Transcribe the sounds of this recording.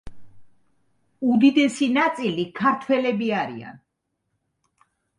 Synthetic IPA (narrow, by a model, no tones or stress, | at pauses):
ud̪id̪ɛsinat̪sʼilikʰaɾt̪ʰwɛlɛbiaɾḭa̰n